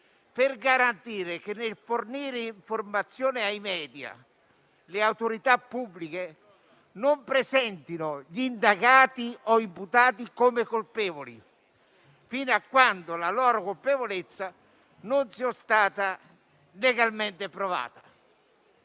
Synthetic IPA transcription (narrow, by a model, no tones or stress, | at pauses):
pɪrɡaɾant̪iːɾɪk̟enːelforniːɾeiɱformat̪sːjɔːnɪajmɛːd̪ja̰ | lɪawt̪oɾit̪apːubːlike | nompɾesɛnt̪inʊʎind̪aɡaːt̪iɔimput̪aːt̪ikomekolpɛːvoli | finakːwand̪ʊlalɔːɾokolpevolet̪sːa | nʊnsiɔst̪aːt̪a | leɡalment̪ɪpɾɔva̰ːt̪ḁ